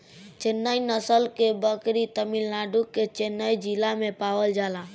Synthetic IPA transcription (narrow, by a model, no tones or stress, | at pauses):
t͡ʃenːainəsəlkebəkɾit̪əmilnaɖukːet͡ʃenːaid͡ʒilamẽpaʋəld͡ʒala